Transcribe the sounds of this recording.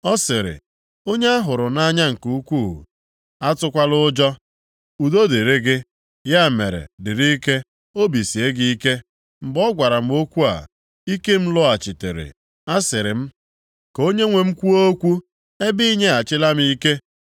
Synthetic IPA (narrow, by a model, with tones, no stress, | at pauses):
ɔ˦sɪ˨ɾɪ̰˨ | o˦ɲe˦a˦ɦʊ˨ɾʊ˨na˦ɲa˦ŋ̩˨ku˨u˦kʷu˦˨ṵ˨ | a˦tʊ˦kʷa˦lʊ˦d͡ʒɔ˦ | u˨do˦de˨ɾe˦ɡɪ˦ | ja˦˨mḛ˨ɾḛ˨dɪ˨ɾi˦ke˦ | o˦bi˨si˨e˦ɡi˦i˦ke˦ | m̩˨bɔ˦ɡʷa˨ɾa˨m̩˦o˦kʷu˦a̰˨ | i˦ke˦m̩˦lɔ˦a˨t͡ʃɪ˨tḛ˨ɾḛ˨ | a˦sɪ˨ɾɪ˨m̩˦ | ko˦ɲe˦ŋʷe˨m̩˦kʷu˦o˦kʷu˦ | e˦bi˦i˦ɲe˦a˨t͡ʃɪ˦la˦m˦i˦ke˦